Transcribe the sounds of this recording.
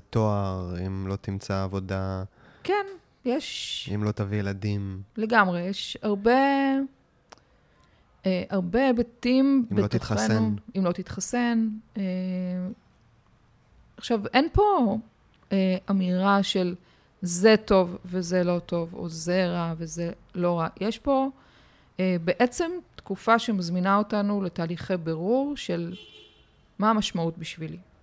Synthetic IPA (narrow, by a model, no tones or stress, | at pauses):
t̪oaʁimlo̞t̪imt͡saːvo̞da | kɛn | jɛʃimlo̞t̪avijelad̪imle̞ɡamʁejɛʃaʁbe̞ | eʔaʁbe̞bat̪immeot̪it̪χaʁenuimlot̪it̪χasene | aχʃavenpo̞ | eʔamiʁaʃel | ze̞to̞vːezelo̞to̞vo̞̰zeʁavezelo̞ʁajeʃbo̞ | ebeʔet͡se̞mtkufaʃe̞mazminao̞tanuletaːliχebeʁuʁʃe̞l | maamaʃmaut̚biʃvili